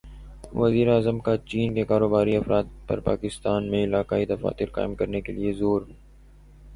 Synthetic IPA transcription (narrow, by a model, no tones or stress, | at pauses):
ʋɐziːɾeaːzəmkat͡ʃiːnkekaːɾoːbaːɾiɐfɾaːt̪̚pɐ̰ɾpa̰ːkɪst̪aːnmẽɪlaːkaːid̪ɐfa̰ːt̪ɪɾqa̰ːɪmkɐɾnekeliezoːɾ